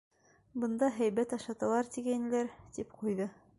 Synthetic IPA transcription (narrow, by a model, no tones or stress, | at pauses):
bɤ̆nd̪ɑɦæjβæt̪ɑʃɑt̪ɤ̆lˠɑɾt̪iɡænɘ̆læɾt̪ipqujðɤ